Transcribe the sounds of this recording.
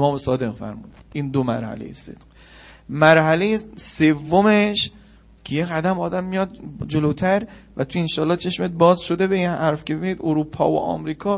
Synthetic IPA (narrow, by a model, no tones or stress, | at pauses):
emɒːmesɒːd̪e̞qfæ̰ɾmuːd̪̚ʔiːnd̪omæ̰ɾhæ̰lḛjḛse̞̰d̪̥ɢ̥ | mæɾhælejesevːomeʃ | cʰejeɣæd̪æmɒːd̪æmːijɒd̪̚d͡ʒolot̪ʰæɾvæt̪ʰuenʃɒːlːɒːt͡ʃʰe̞ʃmet̪̚bɒːzʃod̪e̞be̞inhæɾfcʲʰebebiniːd̪oɾuːpʰɒ̰ːvo̰ʔɒ̰ːmɾiːkʰɒː